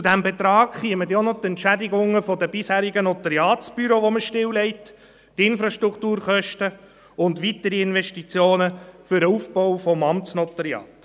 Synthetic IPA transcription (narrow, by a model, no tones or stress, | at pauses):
t͡sudæmbɛt̪ɾɑːkχiəmətjonɔt̪ɛntʃædɪɡʊŋːəfɔdəbɪshæːɾiɡənɔt̪əɾjɑːt͡sb̥yɾoʋoməʃtɪwlɛɪtː | ɪnfɾɑʃt̪ɾuktuːɾχœʃtə | ʊndʋitəɾiɪnvɛʃtit͡sjoːnəfʏɾəufbɔwfɔmɑmtt͡snɔt̪əɾiɑ̰ːt